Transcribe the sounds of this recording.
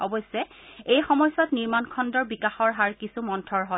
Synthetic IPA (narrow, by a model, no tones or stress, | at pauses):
ɔbɔsɛejxɔmɔjsɔtniɹmankʰɔndɔɹbikaxɔɹɦaɹkisumɔntʰɔɹɦɔ